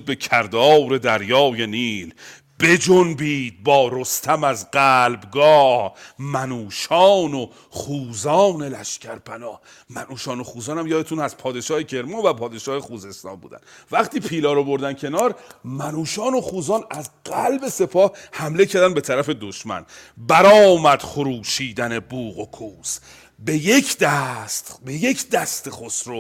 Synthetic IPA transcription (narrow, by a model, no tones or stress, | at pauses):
be̞cʰæɾd̪ɒːwɾe̞d̪æɾjɒːje̞niːl | be̞d͡ʒonbiːd̪̚bɒːɾost̪ʰæmæzɢæːlbɡɒːhmænuːʃɒːno | χuːzɒːne̞læʃcʰæɾpʰænɒːh | mænuːʃɒːnoxuːzɒːnæmjɒːd̪et̪ʰunæz̥pʰɒːd̪e̞ʃɒːhecʰe̞ɾmɑːvæpʰɒːd̪e̞ʃɒːhexuːze̞st̪ɒ̰ːnbṵːd̪æ̰nvæχt̪iːpʰiːlɒːɾobo̞ɾd̪æncʰe̞nɒːɾmænuːʃɒːno̞χuːzɒːnæzɢælbe̞se̞pʰɒːhhæmle̞cʰæɾd̪ænbe̞t̪ʰæɾæfe̞d̪oʃmæ̰nbæɾɒːmæd̪̥χoɾuːʃiːd̪æne̞buːɣokʰuːs | bejecʰd̪æst̪beje̞cʰd̪æst̪exosɾo